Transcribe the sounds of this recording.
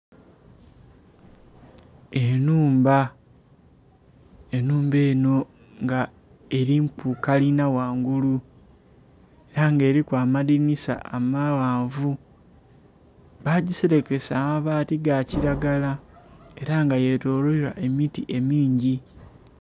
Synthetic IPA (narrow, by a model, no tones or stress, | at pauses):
enuːmba | e̞nuːmbe̞ːno̞ | ŋɡa | e̞ɾiŋpukalinawaːŋɡulu | e̞ɾaŋɡe̞ːɾikwaːmadinisa̰ʔamawaːɱvu | βaɟiseɾe̞ke̞saːmaβaːtiɡaciɾaɡalae̞ɾaŋɡaje̞toːloiɾa̰ʔe̞mitḭʔe̞miːɲɟi